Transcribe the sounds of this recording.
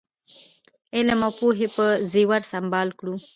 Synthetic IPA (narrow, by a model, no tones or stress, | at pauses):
elamapoɦepəziwaɾsambɑːlkɽu